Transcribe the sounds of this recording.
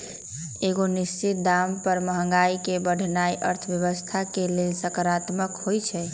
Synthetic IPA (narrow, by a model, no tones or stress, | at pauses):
eɡonist͡ʃit̪̚d̪ampəɾməɦəŋɡaikebəɽʱnajʔə̰ɾt̪ʰbjəβəst̪ʰakelelsəkɾat̪məkɦojt͡ʃʰɛ